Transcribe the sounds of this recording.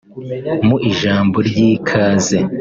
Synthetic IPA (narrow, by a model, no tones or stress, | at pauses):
muʔiʒaːmbo̞ɾɟikʰaːze